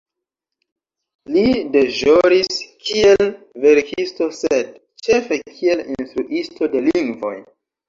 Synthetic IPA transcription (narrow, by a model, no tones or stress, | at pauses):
lide̞ʒoɾiskie̞l | ve̞ɾkʰisto̞sed̚ | t͡ʃe̞fe̞kʰie̞linstɾuʔisto̞de̞liŋɡvo̞̰j